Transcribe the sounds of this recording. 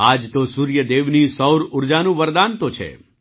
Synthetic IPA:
ad͡ʒt̪osuɾjəd̪eʋnisəwɾʊɾd͡ʒanũʋəɾd̪ant̪ot͡ʃʰḛ

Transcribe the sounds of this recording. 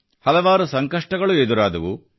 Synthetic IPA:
hɐlɐʋaːɾusɐŋkɐʂʈɐɡɐɭued̪uɾaːd̪ɐʋu

